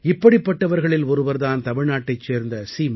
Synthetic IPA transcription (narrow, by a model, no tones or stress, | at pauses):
ɪpːɐɽɪpːɐʈːɐʋɐɾɣɐɭɪlɔɾɯʋɐɾðaːnt̪ɐmɪɻnaːʈːɐɪt͡ʃːeːɾnd̪ɐsiːm